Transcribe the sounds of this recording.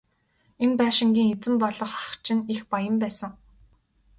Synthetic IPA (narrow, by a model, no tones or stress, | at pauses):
enpæːʃɪ̆ŋɡʲiːŋet͡sɘ̆mpɔɮɞ̆χḁχt͡ɕʰɪ̆nixpajə̆mpæːsə̆ŋ